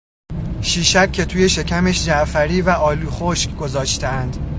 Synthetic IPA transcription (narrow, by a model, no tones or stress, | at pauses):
ʃiːʃæb̥̚cʲʰe̞t̪ʰuːje̞ʃe̞cʰæmeʃd͡ʒæʔfæɾiːvæʔɒːluːxoʃkɡo̞zɒːʃt̪ænd̪̥